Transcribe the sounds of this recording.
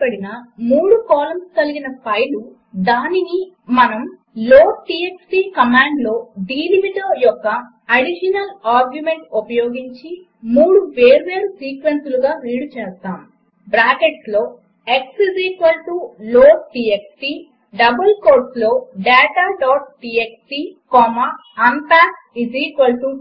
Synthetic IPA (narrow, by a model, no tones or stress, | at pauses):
pɐɽinɐmuːɽukaːlɐmst̪ɐliɡinɐpʰɐjlu | d̪aːninimɐnɐm | loːʈiːeksʈiːkɐmaːɳɖlo̞ːɖiːliʋiʈoːjɔkːɐ | ɐɽiʃɐnɐlaːɾɡjume̞ɳʈopɐjoːɡiɲt͡ʃi | muːɽuʋeːɾuʋe̞ːɾusiːkʋensuluɡaːɾiːɽut͡ʃeːst̪aːm | bɾaːkeʈslo̞ː | e̞ksiziːkʋɐlʈuloːʈiːeksʈi | ɖɐbɐlkoːɾslo̞ːɖaːʈaːɖaːʈ̚ʈiːeksʈikɔːmɐ | ɐnt̪aː | iziːkʋɐlʈu